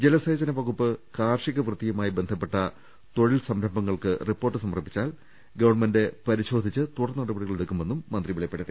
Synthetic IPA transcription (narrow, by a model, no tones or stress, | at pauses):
d͡ʑelɐseːd͡ʑɐnɐʋɐɣupːɨkaːrʂiɣɐʋrɨt̪ːijɐmaːjibe̞nd̪ʱɐpːeʈːɐ | t̪o̞ɻilsɐmɾɐmbɐŋːɐɭkɨripːo̞ːrʈːɨsɐmɐrpːi̥t͡ɕːaːl | ɡɐʋɐrmende̞pɐɾiɕo̞ːd̪ʱit͡ɕːɨt̪uɽɐrnnːɐɽɐbɐɽiɣɐɭeɽukːume̞nːumːɐnd̪riʋiɭɐjɐpːeɽɐðe